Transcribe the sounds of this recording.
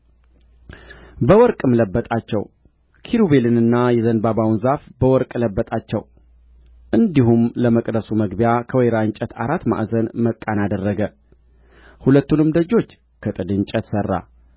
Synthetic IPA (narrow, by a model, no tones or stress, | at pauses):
bəwɔɾkʼɨmləbːət̪ʼat͡ʃːɛ̰w | kʰiɾube̞lɨnɨnːajɛzənbabawnzafbəwɔɾkʼləbːət̪ʼat͡ʃːɛ̰w | ʔɨnd̪ihumləməkʼd̪əsuməɡbijakʰəwɔjɾaɨɲt͡ʃʼət̪ʰa̰ɾat̪ːma̰ʔzənməkʼːanad̪ərːəɡə | hulət̪ːunɨmd̪əd͡ʒo̞t͡ʃː | kʰət̪ʼɨd̪ɨɲt͡ʃʼət̪sərːa̰